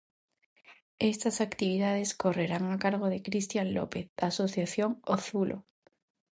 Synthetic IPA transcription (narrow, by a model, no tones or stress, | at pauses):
est̪asakt̪iβ̞iðað̞eskoreɾaŋakaɾɣ̞oðekɾist̪janlo̰peθðasoθjaθjoŋoθulʔo̰